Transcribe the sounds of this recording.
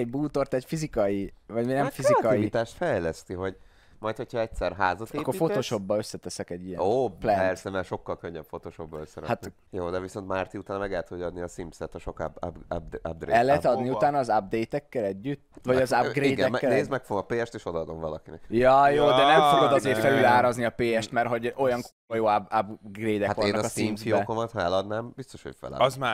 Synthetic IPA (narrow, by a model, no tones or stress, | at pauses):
ɛɟbuːt̪o̞rt̪ɛcfizikɒjivɒɟmenɛmfizikɒjiit̪aːʃt̪fɛjlɛst̪iɦo̞ɟ | mɒjt̪ho̞chɒɛctsɛrɦaːzɒt̪eɒːkːorifo̞t̪oʃo̞bːɒø̞sːɛt̪ɛsɛkɛɟːijɛoːplɛɛrsɛmɛʃo̞kːɒlkøɲːɛpfo̞t̪oːʃobːɒøsːɛɾɛ̰hat̪ | joːd̪ɛviso̞nt̪maːrt̪iut̪aːnɒmɛɡɛt̪odɒd̪niɒsimpsɛt̪ːɒʃo̞kb̚d̪ab̚d̪ɾḛɛlːɛɛt̪ɒd̪niut̪aːnːɒːzab̚d̪ejt̪ɛkːɛlɛɟːyt̪ːvɒɟɒzabɡɾeiːdɡ̪ɛkːɛneːzmɛkfoɡomɒpeːɛʃt̪eːʃo̞d̪ɒɒd̪o̞ɱvɒlɒkinɛ̰kjɒjoːd̪ɛnɛmfoɡod̪ɒzeːɾfɛlylaːɾɒzniɒpeːɛʃt̪mɛrɦo̞ɟo̞jɒŋkoojoːababɡreːd̪ɛkatkoneːnkɒsimsibɛokomɒt̪hɛlɒd̪naːmbist̪o̞ʃho̰cfɛ̰lɛ̰zma